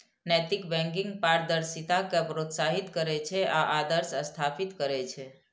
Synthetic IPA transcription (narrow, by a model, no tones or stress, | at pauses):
nɛt̪ikbɛ̃ŋkiŋɡpaɾd̪əɾsit̪akepɾot̪saɦit̪kəɾet͡ʃʰeʔaʔad̪əɾsəst̪ʰapit̪kəɾet͡ʃʰe